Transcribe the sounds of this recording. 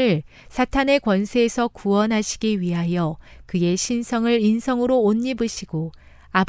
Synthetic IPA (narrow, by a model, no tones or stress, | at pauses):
ɯɭ | sʰatʰane̞kwʌnsʰe̞ːsʰʌkuʌnɦaɕʰi̥ɡiɥiɦajʌkɯe̞ɕʰinsʰʌŋɯɾinsʰʌŋɯɾoːɲːibɯɕʰiɡo | ab